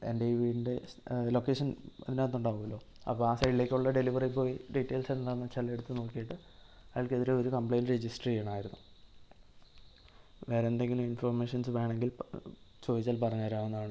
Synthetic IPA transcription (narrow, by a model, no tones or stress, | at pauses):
ḛnɖiʋiinde̞lo̞kːeːʂɐnɐ̰ðineɐnːuɳɖaːʋuɐlːo̞ː | ɐ̰pːoːaːsɐjlːekʲːuɭːɐɖe̞liʋɐripo̞ːjiɖiʈːe̞ːlsenːɐlaːnːɨt͡ɕelɐeɽut̪ːɨno̞ːkːijiʈːɨɐʋilkeðiɾeo̞ɾukɐmpɭejnred͡ʑisʈrijaːɳaːjiɾunːu | ʋeːɾend̪e̞ŋɡiluminforme̞ːʂɐnsɨʋe̞ːɳe̞ŋɡilt͡ɕo̞ːðit͡ɕːaːlpɐrɐɲːɐɾaːʋenːɐðaːɳɨ